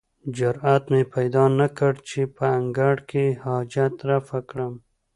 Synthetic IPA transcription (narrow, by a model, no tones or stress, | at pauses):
d͡ʒʊɾat̪mepajd̪ɑnakəɽt͡ʃepəaŋɡaɽkehɑd͡ʒat̪ɾafakɽəm